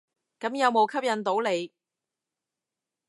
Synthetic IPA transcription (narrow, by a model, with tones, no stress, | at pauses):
kɐ˨˥mjɐ˨˧wmo˨˧wkʰɐ˥p̚jɐ˨˧nt̪o˨˥wle˨˧j